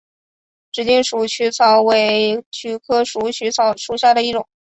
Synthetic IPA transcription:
ʈ͡ʂɻ̩˧˩t͡ɕi˥˩ŋʂu˨˩t͡ɕʰy˥t͡sʰɑ˧˥ʊwe˧˥ɪt͡ɕʰy˧˥kʰɤ˥ʂu˧˥t͡ɕʰy˧˥t͡sʰɑ˧˩ʊʂu˧˥ɕja˥˩d̪ə˩i˥˩ʈ͡ʂʊ˨˩˦ŋ

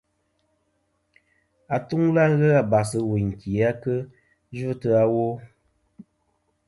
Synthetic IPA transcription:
a˨tu˦ŋla˦ɣə˦a˨ba˨sɨ˨we˨ŋ̩˨ki˨a˦kə˦ | ʒu˦tɨ˦a˦wo˦

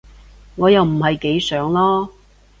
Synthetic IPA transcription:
ŋɔː˨˧jɐ˨wm̩˨˩hɐ˨jke˨˥jsœː˨˥ŋlɔː˥

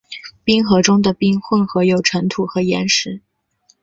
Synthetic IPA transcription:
pi˥ŋxɤ˧˥ʈ͡ʂʊ˥ŋd̪ə˨pi˥nxwə˥˩nxɤ˧˥jo˨˩ʊʈ͡ʂʰə˧˥ŋt̪ʰu˨˩xɤ˧˥jɛ˧˥nʂɻ̩˧˥

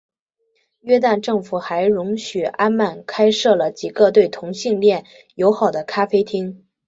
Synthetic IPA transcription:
ɥɛ˥t̪a˥˧nʈ͡ʂɤ˥˩ŋfu˨˩xa˧˥ɪɻʊ˧˥ŋɕy˨˩a˥nma˥˩nkʰa˥ɪʂɤ˥˩lə˩t͡ɕi˨˩ɡə˧t̪we˥˩ɪt̪ʰʊ˧˥ŋɕi˥˧ŋljɛ˥˩n | jo˧˥ʊxɑ˨˩ʊd̪ə˦kʰa˥fe˥ɪt̪ʰi˥ŋ

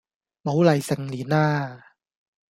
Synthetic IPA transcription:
ma˨˦wla˨˩jsa˧˨ŋliː˨˦naː˥˩

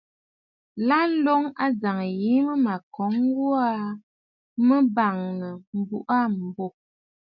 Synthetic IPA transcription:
la˦lo˦ŋa˦d͡za˨ŋ˨ji˨˦mə˦ma˨kɔ˨˦ŋ˦ɡu˦a˦ | mə˦ba˨ŋnə˨m̩˨bu˦ʔa˦˨m̩˨bo˦˨

